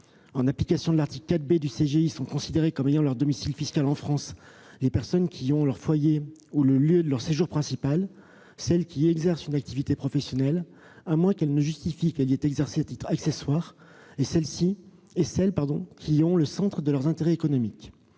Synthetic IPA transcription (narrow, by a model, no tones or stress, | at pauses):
ɑ̃naplikasjɔ̃d̪əlaʁt̪iklkːat̪bed̪yseʒeisɔ̃kɔ̃sid̪eʁekɔmejɑ̃lœʁd̪ɔmisilfiskalɑ̃fχɑ̃s | lepɛʁsɔnkʲʰiɔ̃lœʁfwajeuləljød̪əlœʁseʒuʁpχɛ̃sipal | sɛlkʲiɛɡzɛʁsynak̚t̪ivit̪epχɔfɛsjɔnɛl | amwɛ̃kɛlnəʒyst̪ifikɛlɛt̪ɛɡzɛʁseat̪it̪χakseswaːʁ | esɛlsi | esɛlpaʁd̪ɔ̰̃kʲʰiɔ̃ləsɑ̃t̪χəd̪əlœʁzɛ̃t̪eʁɛekɔnɔmik